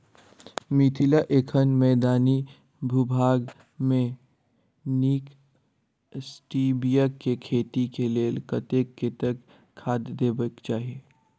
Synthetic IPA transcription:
mit̪ʰilaʔeːkʰənmɛːd̪aːni | bʱubʱaːɡ | mẽ | niːk | sʈiːbijəkːekʰeːt̪ikeleːlkət̪ekːet̪əkʰː | aːd̪d̪eːbəkt͡ʃaːɦieː

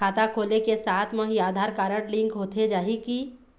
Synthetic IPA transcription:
aːt̪akʰoːlekesaːt̪ʰmɐ̃ɦiaːd̪ʱaːɾkaːɾəɽlɪ̃ŋkɦoːt̪ʰed͡ʒaːɦiki

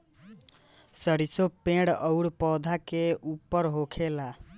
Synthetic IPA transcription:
sʌɽisopẽɽəwɽpɔd̪ʱakeupːəɾɦokʰela

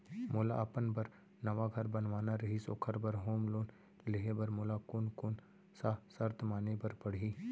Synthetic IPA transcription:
mʊlaaːpənbɐɾ | nɐʋaɡʱɐɾbɐnʋaːnaɾɐɦisoːkʰəɾbɐɾɦoːmloːn | lɪɦebɐɾmʊlakoːnkoːn | sasɐɾt̪ʰmaːnebɐɾpɐɽ̤iː

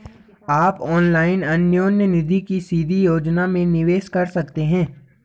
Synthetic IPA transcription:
aːpɔːnlaːɪnɐnjoːnjənɪd̪ʱikisiːd̪ʱijoːd͡ʒnamẽnɪʋeːʃkɐɾsɐk̚t̪eɦɛ̃ː

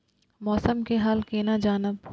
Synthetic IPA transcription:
mɔːsəmkeɦɐlkeːnad͡ʒaːnɪb

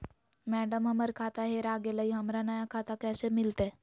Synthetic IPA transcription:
mæɖəmɦəməɾkʰat̪aɦeɾaɡeləiɦəmɾanəjakʰat̪akɛsemilt̪e

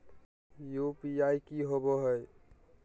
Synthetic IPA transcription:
jupiajkiɦoboɦəj

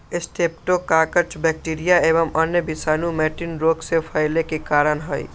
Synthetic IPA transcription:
ɪsʈʰep̚ʈokːaːkəɾt͡ʃbɛːk̚ʈiːɾijaeːʋəmənjəbɪsaːnumɛːʈɪnɾoːɡsepʰəɪlekekaːɾənɦəi

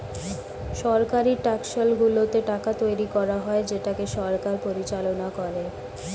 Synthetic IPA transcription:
ʃɔɾkaɾiʈakʃalɡulot̪eʈakat̪ojɾikɔɾaɦɔed͡ʑeʈakeʃɔɾkaɾpoɾit͡ɕalonakoɾe

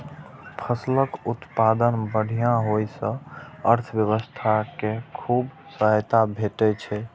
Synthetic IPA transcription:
pʰəsləkut̪pad̪ənbəɽ̤ijãɦojsə̃əɾt̪ʰʋjəβəst̪ʰakekʰub | səɦt̪abʱeʈɛt͡ʃʰɛ

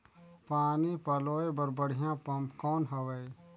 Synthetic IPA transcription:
paːnipɐloːebɐɾbɐɽ̤ijãpɐmpkɔːnɦɐʋɐj

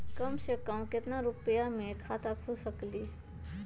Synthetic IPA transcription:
kəmsekəmkɪt̪naɾupjamẽkʰat̪akʰusəkli

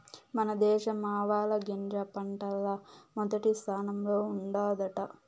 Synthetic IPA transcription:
mɐnɐd̪ɛːʃɐmaːʋaːlɐɡend̪ɾɐpɐɳʈɐlːɐmɔd̪ɐʈist̪ʰaːnɐmloːuɳɖaːd̪ɐʈɐ

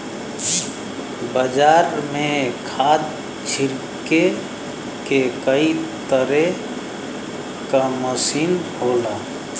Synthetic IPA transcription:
bəd͡ʒaːɾmẽkʰaːd̪ | t͡ʃʰɪɾ | ke | kekəit̪əɾe | kaməsiːnhoːlaː

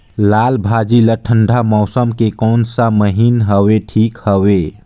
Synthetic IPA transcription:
lalbʱad͡ʒiləʈʰəɳɖʱamɔʊsəmkekɔːnsəməɦinɦəweʈʰikhəwe

